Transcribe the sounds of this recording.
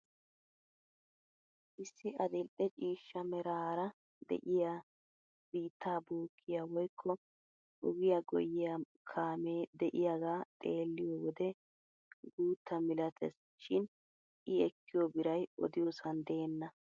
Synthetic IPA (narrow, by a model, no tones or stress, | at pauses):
ʔɪsːɪʔɐd̪ɛlʔʼɛt͡ʃʼiːʃːɐmɛɾaːɾɐ | d̪ɛ̰ʔɪja | b̥iːt̪ːaːbuːkʰːɪjawɔjkʰːɔ | ʔʊɡɪjɐɡɔ̰jːɪjɐ | kʰaːmeːd̪ɛʔɪjaɡaːt̪ʼe̞ːlːɪjɔwɔd̪ɛ | ɡuːt̪ːɐmɪlɐt̪ʰɛs | ʃɪn | ʔɪɛkːɪjɔbɪɾɐjɔ̰d̪ɪjɔsɐnd̪eːnːɐ